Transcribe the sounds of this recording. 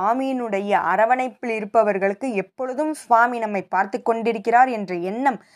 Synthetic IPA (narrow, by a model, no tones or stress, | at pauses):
aːmijnɯɽɐjɐʔɐ̰ɾɐʋɐnɐɪpːɪɭɪɾɯpːɐʋɐɾɣɐɭɯkːɯɛpːɔɭɯðɯmsaːminɐmːɐɪpːaːɾt̪ɯkːɔɳɖɪɾɯkːɪraːɾɛndrɐɛnːɐm